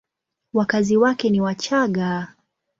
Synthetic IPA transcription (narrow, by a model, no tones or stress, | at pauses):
wakaziwakɛniwat͡ʃaɠa